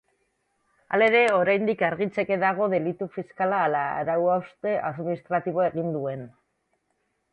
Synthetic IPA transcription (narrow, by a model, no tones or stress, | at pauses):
a̰le̞ɾe̞o̞ɾajnd̪ikaɾɣit͡se̞ke̞ðaɣ̞o̞ðe̞lit̪ufiskalaːla̰ɾawawst̪e̞ʔaðminist̪ɾat̪iβ̞oe̞ɣ̞ind̪ue̞n